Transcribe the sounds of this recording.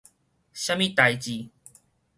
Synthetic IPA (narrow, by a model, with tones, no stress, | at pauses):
ɕja˦mĩ˦t̪a˨˩jt͡ɕi˨˩